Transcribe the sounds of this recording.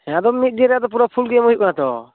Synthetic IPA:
ɛad̪ɔmit̪̚ˀd̪ieɾɛad̪ɔp̬uɾapʰulɡɛmɔɦit̚kɔnat̪ɔ̰

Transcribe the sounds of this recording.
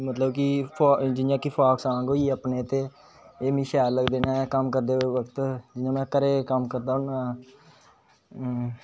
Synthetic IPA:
mət̪ləbkipʰːd͡ʒɪjãːkipʰaːksãːɡoːiːəpneːt̪eː | eːmĩːʃɛːlləɡd̪eːnãːkəmkəɾd̪eːʋəkt̪d͡ʒɪãːmɛ̃ːkəɾeːkəmkəɾd̪aːnãː

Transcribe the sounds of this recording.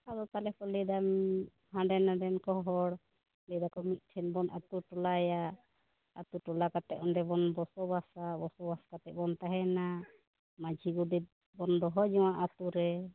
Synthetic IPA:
ad̪ɔt̪alɛpɔlɛd̪am | hãɖɛnaɖɛnkɔɦɔɽ | lɛd̪akɔmit̪̚ˀʈʰɛnbɔnʔat̪uʈɔlaja | at̪uʈɔlakat̪ɛ̰ʔɔnɖɛbɔnbɔsɔbasabɔsɔbasḁkat̪ɛʔ̚bɔnt̪aɦɛna | mad͡ʒʱiɡɔbɛt̪̚ | bɔnd̪ɔɦɔd͡ʒɛwaʔat̪uɾɛ

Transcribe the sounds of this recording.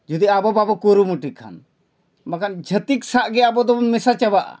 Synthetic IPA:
d͡ʒud̪iabɔbabɔkoɾumuʈikʰːa̰n | makand͡ʒʱət̪iksaʔɡɛabɔd̪ɔmɛsat͡ʃabaʔ

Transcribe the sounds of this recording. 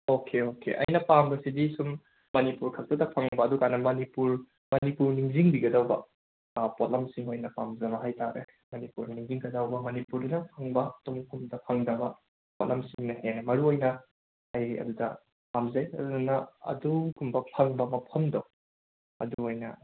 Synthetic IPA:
okʰeokḛʔɐ̰jnɐpaŋbɐsidisum | mɐnipuɾkʰɐk̚tɐdɐpʰɐŋbɐːdukanːɐmɐnipuɾ | mɐnipuɾniŋziŋbiɡɐdawbɐ̰ | pot̚lɐmsiŋojnɐpamzɐbɐɦajtaɾḛ | mɐnipuɾniŋziŋɡɐdawbɐmɐnipuɾdɐnɐpʰɐŋbɐtomkumdɐpʰɐŋdɐbɐ | pot̚lɐmsiŋnɐhenmɐɾuojnɐ | ɐjɐ̰dudɐ | pamzɐjɐ̰dudɐnɐɐ̰dukumbɐpʰɐŋbɐmɐpʰɐmdow | ɐ̰duojnɐ̰

